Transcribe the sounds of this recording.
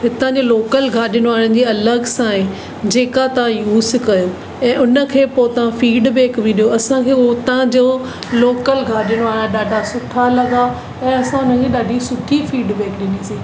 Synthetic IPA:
ɦɪt̪ãd͡ʑoloːkəlɡʱaːɗɪɽ̃oaːɾə̃n̆d͡ʑeːɐləɡsãːɦɪ̃ | d͡ʑeːkat̪ɐʋ̤ãjuːskɐjo | ɛ̃ːʔʊnə̆kʰeːpot̪ɐʋãfiːɖbeːkbĩɗijoɐsãkʰeːot̪ãd͡ʑoː | loːkəlɡʱaːɗɪɽ̃oaːɽ̃ãɗaːɖʱasʊʈʰalɐɡa | ɛ̃ːɐsãʊnəkʰeːɗaːɖʱisʊʈʰifiːɖbeːkɗɪnisĩː

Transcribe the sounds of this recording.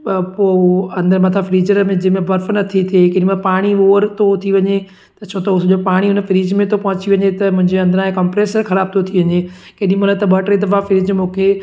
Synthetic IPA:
poɐ̃nd̪əɾmɐt̪ʰafɾiːd͡ʑəɾmẽd͡ʑɪɦmẽbɐɾfnɐt̪ʰit̪ʰekeɗĩmepaːɽ̃ioːɾt̪ʰot̪ʰiʋɐɲe | t̪ɐt͡ɕʰoːt̪ɐʊsʄopaːɽ̃iʊnəfɪɾiːd͡ʑmẽt̪ʰopɐɦʊ̃t͡ɕiʋɐɲet̪ɐmʊ̃ɦɪ̃ɲd͡ʑeɐ̃nd̪əɾãẽkɐmpɾeːsəɾxɐɾaːb̚t̪ʰot̪ʰiʋɐɲe | keɗĩmʊlət̪ːɐbɐʈɾet̪ɐʋafɪɾiːd͡ʑmũːkʰe

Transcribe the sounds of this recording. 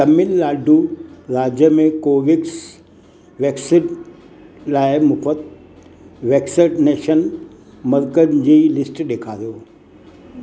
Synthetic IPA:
t̪ɐmɪllaːɖuɾaːd͡ʑjəmẽkoːʋɪks | ʋeːksɪɖ | laːɪmʊfət̪ | ʋeːksɪɖneːʃən | mɐɾkənd͡ʑiːlɪsʈɗeːkʰaːɾijoː

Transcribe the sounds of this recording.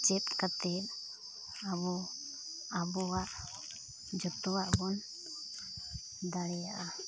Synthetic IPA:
t͡ʃɛt̪̚kat̪ɛt | aβɔ | abɔwaʔ | d͡ʒɔt̪ɔwaʔbɔn | d̪aɽɛjaʔa

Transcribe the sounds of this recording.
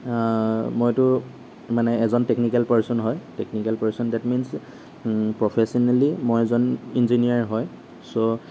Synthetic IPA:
mojtʊ | manɛːzɔntɛknikalpaɹsɔnɦɔjteknikalpaɹsɔndatmins | pɹɔpʰesɔnalimojɛzɔninziniaɹɦɔj | so

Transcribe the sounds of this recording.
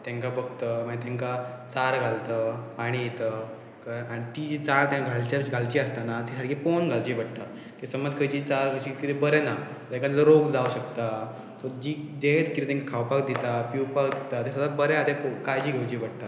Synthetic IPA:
t̪jãŋkabəɡt̪əməet̪jãŋkat͡saɾɡʱalt̪əpaɽ̃ijet̪ə | kaaɽ̃it̪id͡ʑit͡saɾt̪jãaɡʱalt͡ɕaɡʱalt͡ɕiəst̪anat̪isaɽkiponɡʱalt͡ɕibəɽt̪a | kisəməd͡zkʰəjt͡ɕiːt͡saɾɡət͡ɕikit̪ibəɾɛna | ɛ̃ŋkãt̪ləɾoɡd͡zauɕəkt̪a | t̪əɾd͡ʑiːd̪et̪kit̪it̪jẽŋkakʰawpakd̪it̪apiwpakd̪it̪at̪esəd̪abəɾɛad̪epkajd͡ʑiːɡʱəwt͡ɕibəɽt̪a

